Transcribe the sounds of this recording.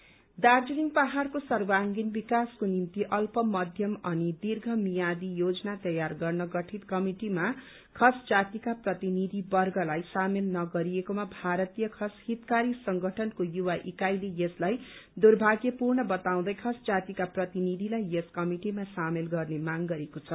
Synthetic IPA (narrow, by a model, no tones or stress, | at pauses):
d̪ard͡ziniŋpaɦarkosʌrbaŋɡinbikaskonimt̪iʔʌlpʌmʌd̪ʱjʌmʌnid̪irɡʱʌmijad̪ijod͡zʌnat̪ʌjarɡʌrnʌɡʌʈʰit̪kʌmiʈima | kʰʌsd͡zat̪ikaprʌt̪inid̪ʱibʌrɡʱʌlajsamelnʌɡʌɾijekomabʱaɾʌt̪ijʌkʰʌshit̪kaɾisʌŋɡʱʌʈʰʌnkojuwaʔikajlejeslajd̪urbʱaɡjʌpurɳʌbʌt̪aw̃d̪ʌjkʰʌsd͡zat̪ikaprʌt̪inid̪ʱilajeskʌmiʈimasamelɡʌrnemaŋɡʌɾekot͡sʰʌ